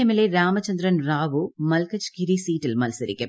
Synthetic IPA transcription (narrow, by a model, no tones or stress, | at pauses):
ɐmɪleɾaːmɐt͡ʃɐnd̪ɾɐnɾaːʋumɐlkɐt͡ʃkiɾisiːʈilmɐlsɐɾɪ̰kːe